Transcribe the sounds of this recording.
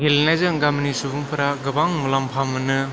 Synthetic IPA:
ɡelnajzɯŋɡamnisubuŋpʰɯɾaɡɯbaŋmulampʰamɯnɯ

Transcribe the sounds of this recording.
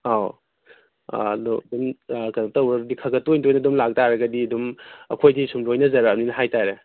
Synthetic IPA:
a | dɔdumkɐɾɐp̚tɐwɐɾdikʰɐɡɐtojndojnɐdumlak̚taɾɐɡɐdiɐdumɐ̰kʰojdisumdojnɐzɐɾɐmninɐɦajtaɾe

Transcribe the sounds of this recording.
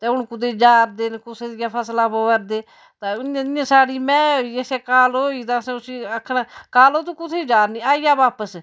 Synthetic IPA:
t̪eːʊnkʊd̪eːd͡ʒaːɾd̪ɪnkʊseːd̪ɪjaːpʰəslãːpəʋəɾd̪eː | t̪aːʊnjãːãːsaːɽiːmɛ̃ːoiːeseːkaːloiːt̪ãːsẽːʊsiːəkʰːnaːkaːloːt̪ũːkʊt̪ʰeːd͡ʒaːɾniːaːijaːbaːpəs

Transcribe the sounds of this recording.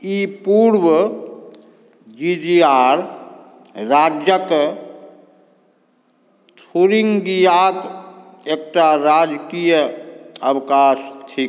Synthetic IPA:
ipuɾwə | d͡ʒid͡ʒiaɾ | ɾad͡ʒjək | t̪ʰuɾiŋɡijat̪ | ek̚ʈaɾad͡ʒkijəəwkast̪ʰi

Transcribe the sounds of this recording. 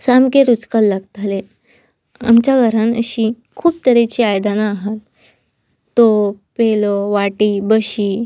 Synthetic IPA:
samkeɾut͡skəlːaɡt̪ale | a̰mt͡ɕjaɡʱəɾãnəɕiː | kʰuːpt̪əɾet͡ɕiːajd̪anaːɦat̪ː | opelɔʋaʈiːbəɕiː

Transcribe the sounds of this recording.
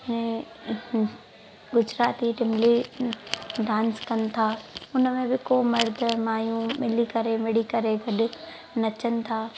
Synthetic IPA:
ɪnẽ | ɡʊd͡ʑɾaːt̪iʈɪmli | ɖãːnskɐnɪ̆t̪ʰaːʊnəmẽbɪkoːmɐɾd̪ʱmaːjũmɪlikɐɾemɪɽikɐɾeɡʱɐɗʊ | nɐt͡ɕənɪ̆t̪ʰaː

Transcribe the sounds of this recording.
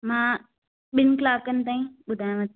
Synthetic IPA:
mãː | ɓɪnɪkɪlaːkənɪ̆t̪aːĩɓʊd̪ʱaːjãʋɐt̪

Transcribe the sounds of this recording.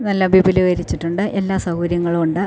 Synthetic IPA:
nɐlːɐbʱibilɐɣɐɾit͡ɕːiʈːuɳɖɨʔe̞lːaːsɐuɾjɐŋːɐɭuɳɖɨ

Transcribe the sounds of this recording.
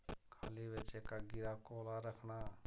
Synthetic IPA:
kʰaːliʋet͡ʃekaɡɪɾaːkoːlaɾəkʰnaː

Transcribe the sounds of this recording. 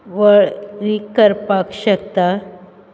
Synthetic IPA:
ʋəɭɾikəɾpakɕəkt̪a

